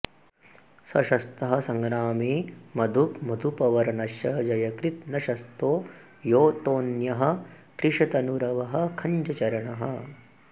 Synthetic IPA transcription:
sɐʃɐst̪ɐɦɐ̆sɐŋɡɾaːmiːmɐd̪ʱukmɐd̪ʱupɐʋɐɾɐnɐʃjɐd͡ʒɐjɐkɾit̪nɐʃɐst̪oː | joːt̪oːnjɐɦɐ̆ | kɾɪʂɐt̪ɐnuɾɐʋɐɦɐkʰɐɲt͡ʃɐt͡ʃɐɾɐɳɐɦɐ̰

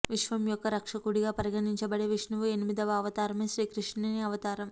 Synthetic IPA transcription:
ʋiʂʋɐmjɔkːɐɾɐkʂɐkuɽiɡaːpɐɾiɡɐniɲt͡ʃɐbɐɽeːʋiʂnuʋue̞nimid̪ɐʋɐɐʋɐt̪aːɾɐmeːʃɾiːkɾiʂneːniɐʋɐt̪aːɾɐm

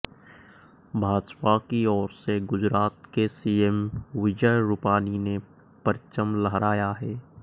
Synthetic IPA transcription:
bʱaːd͡ʒpakiɔːɾseɡʊd͡ʒɾaːt̪kesiːemʋɪd͡ʒəjɾʊpaːnine | pəɾt͡ʃəmləɦɾaːjaɦɛː

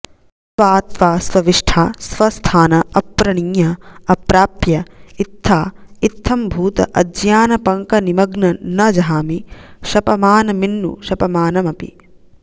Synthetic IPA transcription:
sʋaːt̪ʋaːsʋɐʋiʂʈʰaːsʋɐst̪ʰaːnɐɐpːɾɐɳiŋjɐɐpɾaːpjɐit̪ʰːaːit̪ʰːɐmbʱuːt̪ɐ̰ʔɐd͡ʒjaːnɐpɐŋkɐnimɐɡnɐnɐd͡ʒɐɦaːmiʃɐpɐmaːnɐminːṵʃɐpɐmaːnɐmɐpḭ

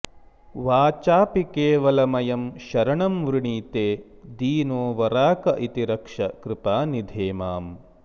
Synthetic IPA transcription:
ʋaːt͡ʃaːpikeːʋɐlɐmɐjɐmʃɐɾɐɳɐmʋɾuɳiːt̪eː | d̪iːnoːʋɐɾaːkɐʔit̪iɾɐkʂɐkɾɪpaːnid̪ʱeːmaːm

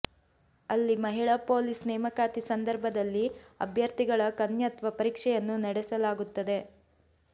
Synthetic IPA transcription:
ɐlːimɐɦiɭɐpo̞ːlisnɛːmɐkaːt̪isɐnd̪ɐɾbʱɐd̪ɐlːiɐ̰bʱjɐɾt̪iɡɐɭɐkɐnjɐt̪ʋɐpɐɾiːkʂɛjɐnːunɐɽɛsɐlaːɡut̪ːɐd̪e̞

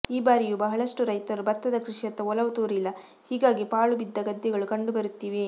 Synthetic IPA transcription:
iːbaːɾijubɐɦɐɭɐʂʈuɾɐjt̪ɐɾubɐt̪ːɐd̪ɐkɾiʂjɐt̪ːɐɔlɐʋut̪uːɾilːɐ | hiːɡaːɡipaːɭubid̪ːɐɡɐd̪ːɛɡɐɭukɐɳɖubɐɾut̪ːiːʋe̞

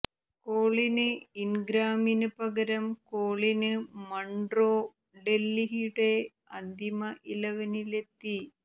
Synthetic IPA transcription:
koːɭinɨinɡɾaːminɨpɐɡɐɾɐmkoːɭinɨmɐɳɖroː | ɖe̞lːiɦɽe | ɐnd̪ʱimɐʔilɐʋɐnile̞t̪ːi

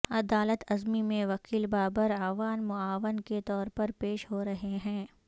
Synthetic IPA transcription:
ɐd̪aːlət̪ɐzmimẽʋɐkiːlbaːbəɾaːʋaːnmʊaːʋənket̪ɔːɾpɐɾpeːʃɦoɾɐɦeɦɛ̃ː

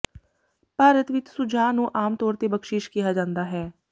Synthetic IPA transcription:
paːɾət̪ʋɪt͡ʃsʊd͡ʒaːnũːʔaːmt̪ɔːɾt̪eːbəkʃɪʃkɪjaːd͡ʒãːnd̪aːɦɛː

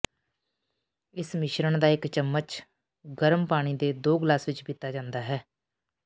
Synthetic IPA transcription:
ɪsmɪʃɾəɳd̪aːɪkt͡ʃəmːət͡ʃ | ɡəɾəmpaːɽ̃iːd̪eːd̪oːɡlaːsʋɪt͡ʃbɪt̪ːaːd͡ʒãːnd̪aːɦɛː

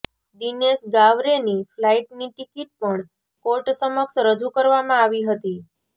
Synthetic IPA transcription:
d̪inesɡaʋɾeniflaiʈniʈikiʈ̚pəɳ | koʈsəməksɾəd͡ʒukəɾʋamãaʋiɦət̪i

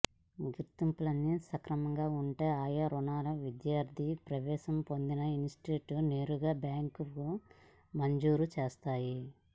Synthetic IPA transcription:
ɡiɾt̪impulɐnːisɐkɾɐmɐŋɡaːuɳʈeːaːjɐɾunaːlɐʋid̪jaːɾd̪ʱipɾɐʋɛːʃɐmpo̞nd̪inɐinsʈeːʈne̞ːɾuɡaːbjaːŋkuu | mɐɲd͡ʒuːɾut͡ʃɛːst̪aːji

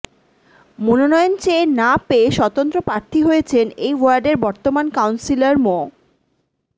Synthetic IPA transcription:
mononɔjont͡ɕeːnapeeʃɔt̪ont̪ɾopɾaɾt̪ʰiɦojet͡ɕʰenejwaɾɖeɾbɔɾt̪omankawnsilaɾmo

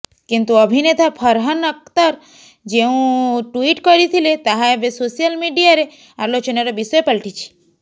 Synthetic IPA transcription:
kint̪uəbʱinet̪apʰəɾɦənək̚t̪əɾ | d͡ʒeũʈuiʈkɔɾit̪ʰilet̪aɦaebesosijəlmiɖijaɾe | aɾlot͡ʃɔneɾɔbisəjpəlʈʰit͡ʃʰi̥

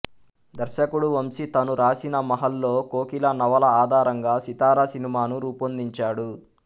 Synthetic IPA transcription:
d̪ɐɾʃɐkuɽuʋɐmsit̪ɐnuɾaːsinɐmɐɦɐlːo̞ːko̞ːkilɐnɐʋɐlɐaːd̪ʱaːɾɐŋɡaːsit̪aːɾɐsinimaːnuɾuːpond̪iɲt͡ʃaːɽu

